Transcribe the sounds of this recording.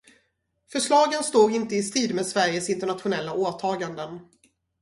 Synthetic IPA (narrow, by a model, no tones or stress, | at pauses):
fœʂɭɑːɡənst̪oːɡɪnt̪əɪst̪iːd̪meːd̪svæɾjəsɪnt̪əɳat̪ɧʊnɛlːaoːt̪ʰɑːɡand̪ən